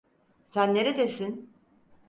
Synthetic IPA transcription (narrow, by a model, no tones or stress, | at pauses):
sænːe̞ɾed̪esin